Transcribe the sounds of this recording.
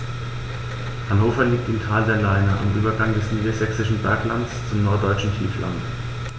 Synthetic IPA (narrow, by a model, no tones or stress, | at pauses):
hanhoːfɐliːk̚tɪmtʰaːldɛlaɪnɐʔa̰mʔyːbɐɡaŋdɛsniːdazɛksɪʃn̩bɛɐklant͡st͡sʊmnɔɐt̚d̥ɔʏt͡ʃn̩kiːflʔa̰nt